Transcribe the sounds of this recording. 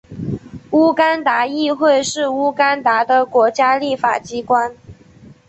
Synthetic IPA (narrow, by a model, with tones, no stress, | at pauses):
u˥ka˥nt̪a˧˥i˥˧xwe˥˧ɪʂɻ̩˥˩u˥ka˥nt̪a˧˥d̪ə˧kwɔ˧˥t͡ɕja˥li˥˩fa̰˨˩t͡ɕi˥kwa˥n